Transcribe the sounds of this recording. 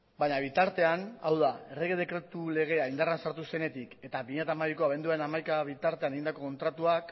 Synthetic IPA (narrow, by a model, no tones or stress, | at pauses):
bajɲaβ̞it̪aɾt̪e̞anawðae̞reɣe̞ð̞e̞kɾe̞t̪ule̞ɣ̞e̞aind̪aransaɾt̪use̞ne̞t̪ike̞t̪aβiɲet̪aːmaβiko̞aβ̞e̞nd̪uaɾe̞namajkaβit̪aɾt̪e̞ane̞ind̪ako̞ko̞nt̪ɾat̪uak